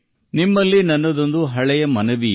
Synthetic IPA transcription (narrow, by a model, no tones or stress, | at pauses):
nimːɐlːinɐnːɐd̪ond̪uɦɐɭɛjɐmɐnɐʋi